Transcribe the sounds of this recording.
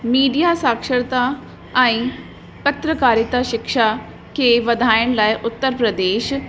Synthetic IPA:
miːɖijaːsaːkʃəɽt̪aː | aĩː | pət̪ɾəkaːɾɪt̪aːʃɪkʃaː | keʋəd̪ʱaːənlajʔʊt̪ːəɾpɾəd̪eːʃ

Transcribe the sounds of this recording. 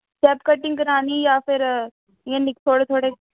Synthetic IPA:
t͡ʃɛːpkəʈːɪŋkəɾãːniːjaːpʰɪɾ | ẽːnɪksoːɽet̪ʰoːɽeː

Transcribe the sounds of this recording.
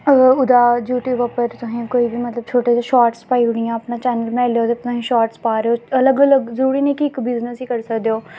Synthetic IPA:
ʊd̪aːd͡ʒjuːʈjuːbəpəɾt̪ʊsĩːkoːiːbiːmət̪ləb̚t͡ʃʰoːʈeːd̪aːʃɔːʈspaːiːɦʊɳijãːəpnãːt͡ʃɛːnəlmɛ̃ːleoːt̪eːt̪ʊsĩːʃɔːʈspaːɾeoːələɡələɡzəɾuːɾiːnẽːkɪɪkbɪznəsiːkəɾsəkd̪eːoː

